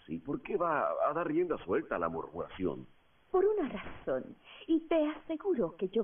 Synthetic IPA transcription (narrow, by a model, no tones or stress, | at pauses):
sipo̞ɾke̞βaaðaɾrje̞nd̪aswe̞lt̪aːla̰mo̰ɾmuɾa̰sjo̞̰n | po̞ɾunarasonit̪e̞ase̞ɣuɾoked͡ʒo